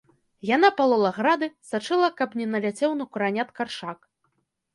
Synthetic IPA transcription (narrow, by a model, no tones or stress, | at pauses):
jan̪apɐlˠɔlˠɐɣɾad̪ɨsat͡ʂɨlˠɐkɐpnʲɛnɐlʲat͡sʲɛwnɐkuɾanʲat̪karʂak